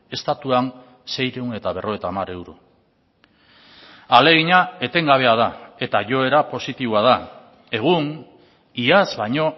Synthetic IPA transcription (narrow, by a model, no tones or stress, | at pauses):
e̞st̪at̪uan | se̞jɾe̞une̞t̪aβ̞e̞rʔo̞et̪amaɾe̞wɾo̰ | ale̞ɣ̞iɲae̞t̪e̞ŋɡaβ̞e̞að̞ae̞t̪aʝo̞e̞ɾapo̞sit̪iβoað̞a | e̞ɣ̞un | iazβajɲo̞